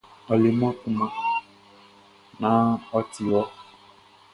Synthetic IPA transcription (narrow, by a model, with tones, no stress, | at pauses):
ɔ˨le˨mɔ̃˦kũ˦mã˨ | nã˦ɔ˦ti˨ɔ˦